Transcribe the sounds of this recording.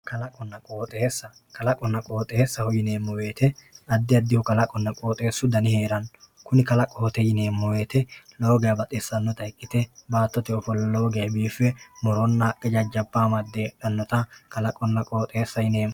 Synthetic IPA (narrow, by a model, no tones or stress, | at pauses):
kɐlɐkʼɔnːɐkʼo̞ːt̪ʼesːɐ | kɐlɐkʼɔnːɐkʼo̞ːt̪ʼɛesːɐhɔjɪne̞ːmːɔwe̞ːt̪ɛɐd̪ːɪɐd̪ːɪhʊkɐlɐkʼɔnːɐkʼo̞ːt̪ʼe̞ːsːʊd̪ɐnɪhe̞ːɾɐnkʊnɪkɐlɐkʼoːt̪ɛjɪneːmːɔwe̞ːt̪ɛloːɡɛjɐbɐt̪ʼɛsːɐnːɔt̪ɐɪkʼːɪt̪ɛbaːt̪ːɔt̪ɛɔfɔlloːɡɐjɐbiːfːɛmɔɾɔnːɐʔɛd͡ʒɐd͡ʒɐbːaːmɐd̪ːeᶑɐnːɔt̪ɐkɐlɐkʼɔnːɐkʼo̞ːt̪ʼeːsːɐjɪneːm